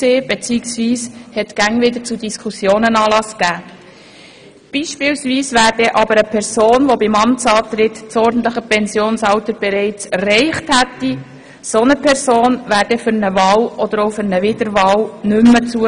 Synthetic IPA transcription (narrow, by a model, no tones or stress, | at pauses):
seːb̥et͡siːksʋiːshɛtɡ̥æŋvɪd̪ət͡sudiskʰusjoːnənɑːlɑskæː | b̥iːʃpɪːwsviːsvæːɾdɛʔɑbəɾəpʰɛɾsoːnʋobɪmɑmtt͡sɑːt̪ɾɪt̪t͡sɔɾdn̩t̪ləχəpɛnsjoːnsɑwt̪əɾb̥ɛɾɛɪt͡sɛrːɛɪχthæt̪ːi | sonəpʰɛɾsoːnvæːɾd̥ɛfʏɾnəvɑːlʔɔd̥̪əɾoʊfɪɾnəʋɪd̪əɾvɑːwnʏmːət͡suə